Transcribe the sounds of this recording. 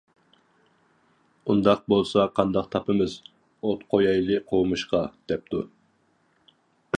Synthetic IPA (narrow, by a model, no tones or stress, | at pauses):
und̪ɑq̚bolˠsɑqʰɑnd̪ɑqt̪ʰɑpɨmɨz | ot̪qʰojɑjlˠɨqʰowmuʃqɑd̪̥ɛp̚t̪ʰu